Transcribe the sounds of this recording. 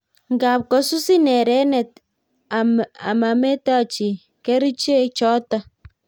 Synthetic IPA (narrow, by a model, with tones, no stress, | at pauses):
ŋ̩˦ɡa˨p̚kɔ˨su˦si˦ne˨ɾe˨˦ne˨t̚ | a˨a̰˨ma˨me˦ta˦˨t͡ʃi˨ | ke˦ɾi˦t͡ʃe˦t͡ʃɔ˦tɔ˦